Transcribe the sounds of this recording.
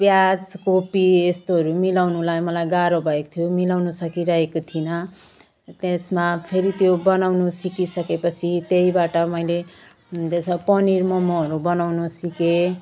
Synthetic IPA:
bjad͡zkopiest̪oɦʌɾumilawnulajmʌlajɡaɾobʱʌekot̪ʰjomilawnusʌkiɾʌɦekot̪ʰinʌ | t̪esmapʰeɾit̪jobʌnawnusikisʌkepʌt͡sʰit̪eibaʈʌmʌjle | d̪esʌpʌniɾmʌmoɦʌɾubʌnawnusike

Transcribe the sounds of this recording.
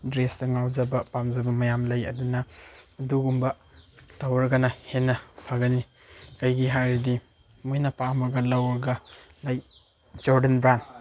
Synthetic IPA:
dɾestɐŋawd͡ʒɐbɐpamzɐbɐmɐjamlɐjɐ̰dunɐːduɡumbɐ | tawɾɐɡɐnɐhenːɐpʰaɡɐni | kɐjɡiɦajɾidi | mojnɐpamɐɡɐlɐwɾɐɡɐ | lɐj | d͡ʒoɾdenbɾant

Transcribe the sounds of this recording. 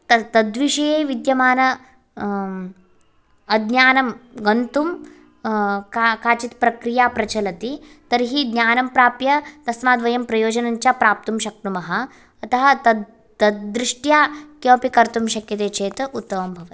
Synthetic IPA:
t̪ɐt̪ɐd̪ʋiʂɐjeːʋid̪jɐmaːnɐ | ɐd̪njaːnɐmɡɐnt̪um | kakaːt͡ʃit̪pɾɐkɾijaːpɾɐt͡ʃɐlɐt̪i | t̪ɐɾɦiːd̪nʲjaːnɐmpɾaːpjɐt̪ɐsmaːd̪ʋɐjɐmpɾɐjoːd͡ʒɐnɐɲt͡ʃjaːpɾaːp̚t̪umʃɐk̚t̪umɐɦɐ̆ | ɐt̪ɐɦɐt̪ɐ | ɐd̪ɾiʂʈjaːkeʋɐpikɐɾt̪umʃɐkjɐt̪eːt͡ʃeːt̪ut̪ːɐʋɐmbʱɐʋɐt̪

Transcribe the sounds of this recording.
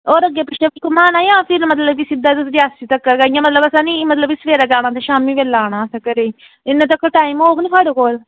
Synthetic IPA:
oːɾəɡjaːpʊʃaːbɪlkomaːnaːjãːpʰɪɾmət̪ləbiːsɪd̪aːt̪ɾaːsiːt̪əkːəɾɡaːijãːmət̪ləbəsãːniːmət̪ləbisəʋeːɾaːɡaːɽ̃ãːt̪eʃaːmiːʋelːaːɽ̃aːsãːkəɾeːiː | ɪnːẽːt̪əkːəʈaːiːmoːknĩːpʰaːɽoːkoːl

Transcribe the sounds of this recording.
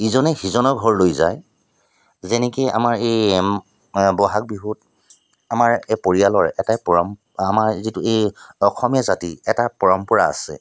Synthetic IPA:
izɔnɛxizɔnɔɹɡʱɔɹlojzaj | zɛnɛkea̰maɹej | bɔɦak̚biɦut | amaɹepoɹijalɔɹɛtapɔɹɔm | amaɹzituejɔxʰɔmijazatiɛtapɔɹɔmpɔɹa̰ːsɛ̰

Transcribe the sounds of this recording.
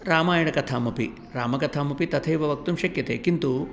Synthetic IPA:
ɾaːmaːjɐɳɐkɐt̪ʰaːmɐpi | ɾaːmɐkɐt̪ʰaːmɐpit̪ɐt̪ʰɐjʋɐʋɐk̚t̪umʃɐkjɐt̪eːkint̪u

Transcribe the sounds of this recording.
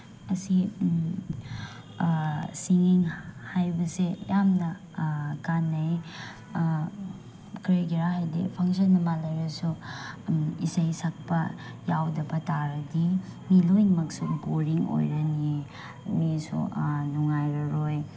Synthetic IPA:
ɐsi | siŋiŋhajbɐsejamnɐ | kanːaj | kɾiɡiɾaɦajdḭpʰaŋsɐnːɐmalɐjɾɐsu | isajsak̚pɐjawdɐbɐtaɾɐdimilojmɐk̚suboɾiŋo̰jɾɐni | misṵnuŋajɾɐɾoj

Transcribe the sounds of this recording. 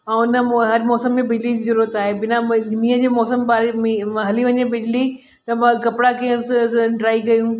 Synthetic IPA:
ɛ̃ːʊnəɦɐɾmɔːsəmːẽbɪd͡ʑlid͡ʑiːzɐɾuət̪aːɦebɪnamiːəd͡ʑeːmɔːsəmbaːɾemiɦɐliʋɐɲebɪd͡ʑli | t̪ɐmãkɐpɪɽakɐɦə̃sɖɾaːiɡɐjũ

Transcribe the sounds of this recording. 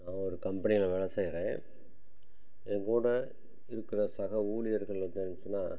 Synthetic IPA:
nãːɔɾɯkɐmbɐnɪɐlɐʋɛɭɐsɐjɾẽː | ɛŋkuːɽɐ | ɪɾɯkːɯɾɐsɐɣɐuːlɪjɐɾɣɐɭɐt̪ɐɾt͡ʃːɯnːaː

